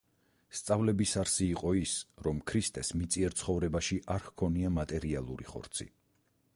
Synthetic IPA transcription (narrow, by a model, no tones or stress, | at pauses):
st̪sʼavlɛbisaɾsiːqʼɔisɾɔmkʰɾist̪ʼɛsmit̪sʼiɛɾt̪sʰχɔvɾɛbaʃiʔaɾhkʰɔniamat̪ʼɛɾialˠuɾiχɔ̰ɾt̪sʰḭ